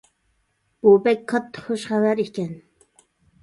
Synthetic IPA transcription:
b̥obɛkʲqʰɑt̪ːχoʃχævæɾikʲɛn

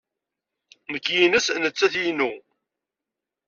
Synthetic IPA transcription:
nəkːjinəsnət͡sːæθjinu

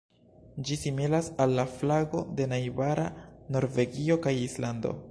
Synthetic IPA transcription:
d͡ʒisimilasalːaflaɡo̞de̞najvaɾa̰no̞ɾve̞ɡio̞kajislando̞̰

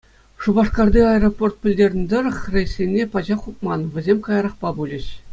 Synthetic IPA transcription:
ʂubɑʂkɑrd̪ʲiɑeroport̪̚pʲɘ̆lʲdʲerʲnʲd̪ɤ̆rɤ̆χrʲejsʲenʲːepɑd͡ʑɑχup̚mɑnʋʲɘ̆zʲemʲkɑjɑɾɑχpɑbulʲɘ̆ɕ

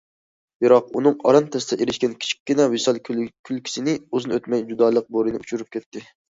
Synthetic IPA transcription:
bɪɾɑq̚unɨŋɑ̰ɾɑnt̪ʰɛst̪ɛʔeɾɪʃkʲɛnkʲʰi̥t͡ʃʰi̥kʲːinɛwesɑlˠkʲʰylˠkʲʰi̥sɪnɪozɨnɨøt̪mɛjd͡ʒud̪ɑːlˠəq̚boɾɨnɪut͡ʃʰuɾup̚kʲʰɛt̪ʰːɪ

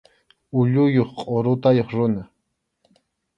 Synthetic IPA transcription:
ʊʎʊjoχqʼɔɾʊt̪ajoχɾʊna

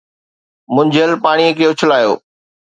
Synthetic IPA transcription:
mʊ̃ɲd͡ʑʱəlpaːɽ̃iekejot͡ɕʰəlaːjo̰ː

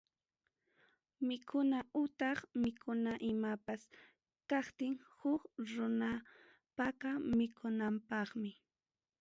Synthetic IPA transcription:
mɪkʰʊnaʊt̪ɑχmɪkʰʊnaʔɪmapas | kɑχt̪ɪŋhʊkɾʊna | pakamɪkʰʊnampɑχmɪ

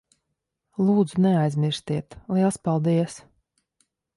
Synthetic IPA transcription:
lˠuːd̪zunɛajzmʲiɾst̪iɛt̪lˠiɛlˠspalˠd̪iɛs

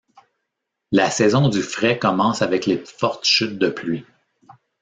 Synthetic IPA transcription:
lasɛzɔ̃d̪yfʁɛkɔmɑ̃ːsavɛkleːfɔʁt̪ʃʏt̪̚d̪əplɥi

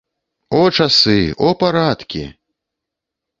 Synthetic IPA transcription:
ɔt͡ʂasɨɔpaɾat̪kʲḭ

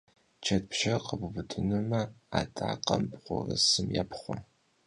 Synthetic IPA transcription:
t͡ʃʰɐt̚pʰʃɐqəbubɨtʰʼɨnɨmɐatʰʼaːqɐmpʼqʷʊrɨsɨmjaːpʰχʷɔ

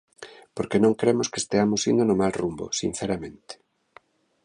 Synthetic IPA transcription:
poɾkenõŋkɾemʊskest̪eamosind̪onomalrumbo̰sḭn̟θeɾamẽnt̪e̥

